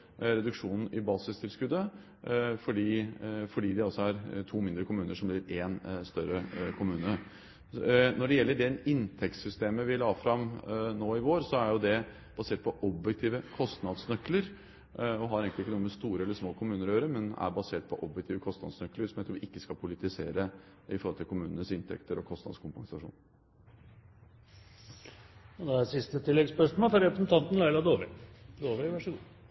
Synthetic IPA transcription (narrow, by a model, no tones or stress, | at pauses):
ɾɛd̪ʉkʂuːnn̩ɪbɑːsɪst̪ʰɪlskʉd̪ːə | fɔɖiːfɔɖiːd̪ɛɔsːɔæɾt̪ʰuːmɪnd̪ɾəkʊmʉːnəʂɔmblɪɾenst̪œɾəkʰʊmʉːnə | nɔɖɛjɛlːəɖɛɪnt̪ʰɛkt̪sʏst̪eːməʋɪlɑːfɾɑmnoːɪʋoːɾsɔæɾjʊd̪ɛ | b̥ɑseːʈ̚pʰɔʔɔbjɛk̚t̪ʰiːʋəkʰɔst̪nɑd̪snœkːləɾ | ɔɦɑɾeːɡŋk̪lɪkːənuːəmɛst̪uːɾəɛlːəʂmoːkʰʊmʉːnəɾøːɾəmɛnæ̰ɾbɑseːʈ̚pʰɔʔɔbjɛkt̪iːʋəkʰɔst̪nɑ̰d̪snœkləɾsɔmjɛːt̪ʰuːʋɪʔɪkːəskɑpʰʊlɪt̪ɪsḛːɾə | ɪfɔɾɔlt̪ɪlkʊmʉːnənəsɪnt̪ʰɛ̰kt̪əɾɔkʰɔst̪nɑ̰d̪skʰʊmpɑŋsɑʂṵːn | ɔd̪ɛæsɪst̪ət̪ʰɪlːɛɡspœʂmoːlɔɾɛpɾəsn̩t̪ʰɑnt̪n̩læɪlɑd̪oːʋəd̪oːʋəʋæʂəɡuː